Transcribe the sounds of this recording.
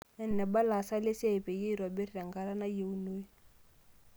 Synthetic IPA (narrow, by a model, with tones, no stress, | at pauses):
ɛ˦˨n̩˨nɛ˨ba˦la˨sa˦lɪ˦se˦˨pe˨je˦i˨ɾɔ˨be˦ri˦a˨ŋ˨ɡa˨ɾa˦na˦je˨u˦no˦i˦